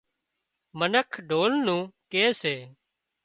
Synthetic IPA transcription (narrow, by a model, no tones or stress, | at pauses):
mənəkʰɖʱoːlnũːkeːseː